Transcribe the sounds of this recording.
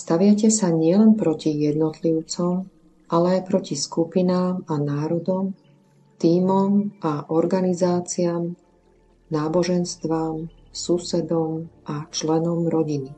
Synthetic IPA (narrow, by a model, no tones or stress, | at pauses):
st̪aʋɪacɛsaɲɪɛlɛnpɾɔcijɛd̪nɔt̪liʊt͡sɔm | ʔalɛajpɾɔciskupinaːmanaːɾɔd̪ɔm | t̪iːmɔmʔaʔɔɾɡanizaːt͡siaːm | naːbɔʒɛnst̪ʋam | susɛd̪ɔmʔat͡ʃlɛnɔmɾɔɟini